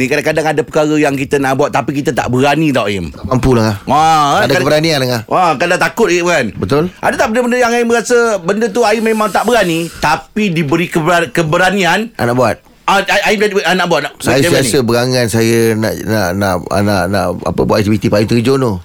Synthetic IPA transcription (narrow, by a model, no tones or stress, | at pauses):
nĩkadakadaŋadapəkaɾəjaŋkit̪ənaʔbuat̪t̪ːapikit̪ət̪a̰ʔbəɾanid̪awʔajɪmamampulahaaadakakaəbəɾanianlaŋahʔakadat̪akʊt̪̚iʔkanbət̪ʊlʔa̰dat̪aʔbəndəbəndəjaŋaɪməɣasəbəndət̪uaɪmemãŋt̪aʔbəɾanit̪apidibəɾikəakəbəɾanĩana̰naʔbuat̪̚ | aaʔaimaʔanaʔbuat̪̚naʔsbajəaaisəbəɾaŋansajəna̰ʔna̰ʔna̰ʔa̰na̰ʔna̰ʔa̰pə̰bṵat̪k̚t̪ibit̪ipaimt̪əɾid͡ʒono